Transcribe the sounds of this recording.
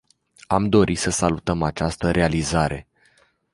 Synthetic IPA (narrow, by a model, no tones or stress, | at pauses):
amd̪o̞ɾʔisəsalut̪əmat͡ʃast̪əɾʔe̞alizaɾʔe̞